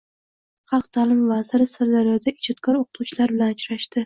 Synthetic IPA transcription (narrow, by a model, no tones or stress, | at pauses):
χɑlˠqt̪ʰalɪmvazɪɾɪsaɾd̪aɾjɒd̪aʔɪd͡ʒɒt̪̚kʰɒɾoqʰɨ̥t̪ʰuwt͡ʃʰɪlaɾbɪlanʊt͡ʃɾaʃt̪ɪ